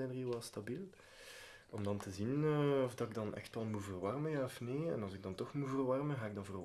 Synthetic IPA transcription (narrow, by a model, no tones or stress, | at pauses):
ɛnərilˠʋɛlˠstabilˠ | ɔmdɑntəzinəːɔvdɑɪɡ̚dɑnʔɛ̰xtʋɛlˠmuvərʋɑrməjaːɔfneːɛ̰nɑlˠzɪɡ̚dɑntɔxmuvərwɑrmənɣaːɪɡ̚dɑnvər